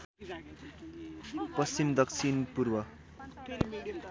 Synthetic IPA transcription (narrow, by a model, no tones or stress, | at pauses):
pʌst͡ɕimd̪ʌksʰinpurbʌ